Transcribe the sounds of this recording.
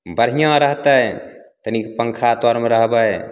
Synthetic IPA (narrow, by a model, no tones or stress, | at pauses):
bəɾɦijãɾəɦt̪əjt̪ənikepəŋkʰat̪ɔɾmeɾəɦbəj